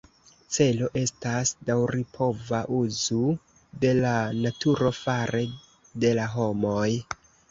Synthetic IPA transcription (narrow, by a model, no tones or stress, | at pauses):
t͡se̞lo̞ʔe̞stasdawɾipʰo̞vaʔuzu | de̞lanatuɾo̞faɾe̞ | de̞laɦo̞mo̞j